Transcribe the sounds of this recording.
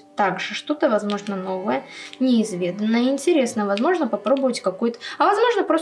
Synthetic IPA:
t̪aɡʐɨʂt̪o̞t̪əvɐzmo̞ʐnəno̞vəjənʲɪːzvʲe̞d̪ənːəɪnʲtʲɪɾʲe̞snəvɐzmo̞ʐnəpɐpɾo̞bəvətʲkɐkojʊt̪ə̥ɐvɐzmo̞ʐnəpɾos

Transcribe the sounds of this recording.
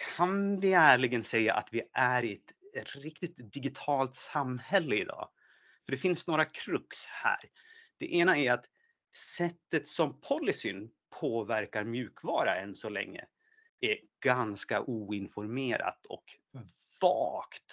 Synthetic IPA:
kʰanvɪæːɭɪɡənsɛjːa̰ʔat̪vɪʔæɾɪɛt̪ɾɪkt̪ɪt̪d̪ɪɡɪt̪ʰɑːlt̪samhɛlːəɪd̪ɑ̰ː | fœɖɛfɪnsnoːɾakʰɾɵkshæ̰ːɾ | d̪̥ɛʔeːnaæɾat̪ | sɛt̪ːət̪sɔmpʰɔlːɪsɪn | pʰoːvæɾkaɾmjʉ̟ːkvɑːɾaɛnsɔlɛ̰ŋːə̰ | æɾ | ɡ̥anska̰ʔuːɪnfɔɾmeːɾa̰t̪ɔ̰k | vɑ̰ːkt̪

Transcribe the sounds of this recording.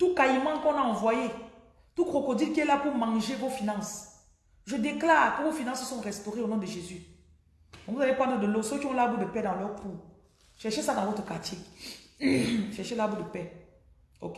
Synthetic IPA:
t̪ukajmɑ̃kɔ̃naɑ̃vwaje | t̪ukʁokod̪idkiɛlapumãʒevofinɑ̃s | ʒəd̪eklaːʁkəvofinɑ̃ssɔ̃ʁɛst̪oʁeonɔ̃d̪əʒezy | ɔ̃buzalepwãd̪əd̪əlosøkiɔ̃labud̪əpɛd̪ãlœʁku | ʃɛʁʃesadãvot̪əkatʰik | ʃɛʁʃelabud̪əpɛ | o̰ke

